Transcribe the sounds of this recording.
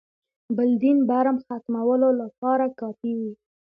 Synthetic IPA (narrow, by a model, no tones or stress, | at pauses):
bɪld̪inbaɾamxat̪mawəlolapɑɾakɑfiwi